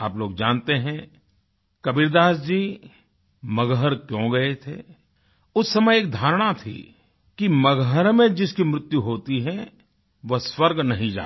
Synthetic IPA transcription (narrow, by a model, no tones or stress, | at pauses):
aːploːɡd͡ʒãːnt̪eɦɛ̃ | kɐbiɾd̪aːsd͡ʒiː | mɐɡɦəɾkjõːɡɐet̪ʰḛː | ʊsːɐməjeːk̚d̪ʱaːɾɽ̃at̪ʰḭ | kimɐɡɦəɾmẽd͡ʒɪskimɾɪt̪juɦoːt̪iɦɛ̃ | ʋɐswəɾɡnɐɦĩd͡ʒa̰ː